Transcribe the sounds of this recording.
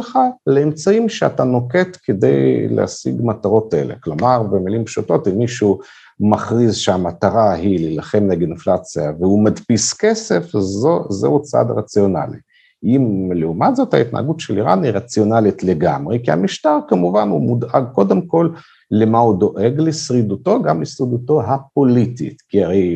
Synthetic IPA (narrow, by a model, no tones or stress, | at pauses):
lχaleemt͡saimʃea̰t̪ano̞ke̞t̪ked̪e̞̰jlḛa̰sḭɡmat̪aʁo̞tḛlḛklo̞maʁbemilimpʃuto̞t̪imːiʃu | maχʁizʃeamat̪aʁaɦililaχe̞mleɡinflat͡siaveumad̪piskese̞fzozḛhut͡sa̰d̪ʁat͡sjo̞na̰lḭ | imleumat̪zo̞t̪ha̰it̪na̰a̰ɡutʃeliʁanhiʁat͡sijo̞nalit̪le̞ɡamʁekiha̰miʃt̪aʁkamuvanhumud̪aɡ̚ko̞d̪e̞mko̞lː | emahud̪o̞ʔe̞ɡlesʁid̪uto̞ɡamlesʁid̪uto̞ɦapo̞lit̪ḭtkiaʁej